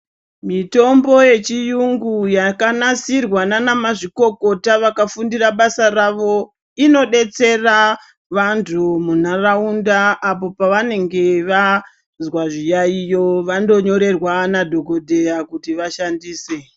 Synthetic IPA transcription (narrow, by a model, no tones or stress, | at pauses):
mito̞mbo̞je̞t͡ʃijuŋɡujakanasirwananamaʐiko̞ko̞taʋakafundiraɓasaraʋo̞ | ino̞ɗe̞t͡se̞ra | ʋantʰumun̤araundaːpo̞paʋane̞ŋɡe̞ʋa | zwaʐijaijo̞ʋando̞ɲo̞ɾe̞rwanadʱo̞ɡo̞dʱe̞jakutiʋaʃandiːse